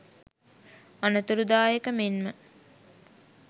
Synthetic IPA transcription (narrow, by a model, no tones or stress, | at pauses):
anət̪uɾud̪aːjekəmenmə